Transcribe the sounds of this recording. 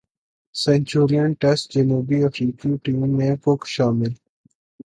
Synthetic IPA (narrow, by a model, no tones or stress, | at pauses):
sɛ̃ɲt͡ʃuːɾijənʈɛsʈd͡ʒenuːbiəfɾiːkuːʈĩːmːẽkʊkʃaːmɪl